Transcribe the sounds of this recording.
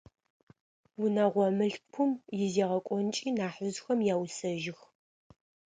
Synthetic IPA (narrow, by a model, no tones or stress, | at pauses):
wʊnaʁʷɔmɨɬpʰʊmjɪzeʁɐkʷʼɔnt͡ʃʼiːnaːħəzxɐmjaːwsɐʒɪx